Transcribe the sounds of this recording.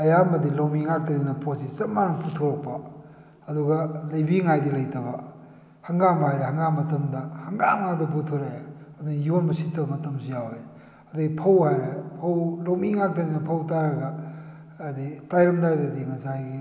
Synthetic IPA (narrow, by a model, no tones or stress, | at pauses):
ɐjamɐdilawmiŋak̚tɐninɐpʰosisɐt̚manɐpʰutʰoɾɐk̚pɐ | ɐduɡɐlɐjbiŋajdilɐjtʰɐbɐ | hɐŋɡamɦajɾehɐŋɡamɐtɐmdɐhɐŋɡamadɐp̬utʰoɾaɐduŋjionbɐsitːɐbɐmɐtɐmsijawe | ɐduɡipʰɐwhajɾepʰɐwlawmiŋak̚tɐninɐpʰɐwtaɾɐɡɐ | ditajɾɐmdajdɐdiŋɐsai